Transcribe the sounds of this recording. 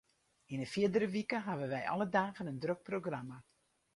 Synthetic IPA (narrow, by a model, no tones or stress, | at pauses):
ɪnəfjɪədəɾəʋikəɦaʋənʋɛjʔɔ̰lədaːɣənəndrøk̚proɡrama